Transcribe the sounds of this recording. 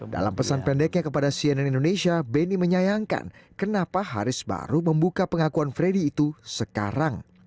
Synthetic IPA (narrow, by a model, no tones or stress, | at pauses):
da̰la̰mpəsanpɛndɛk̚ɲakəpadasiɛnɛnindonesiabɛniməɲajaŋka̰nkənapaɦa̰ɾɪsba̰ɾuməmbukapəŋakuanfɾediːt̪usəka̰ɾaŋ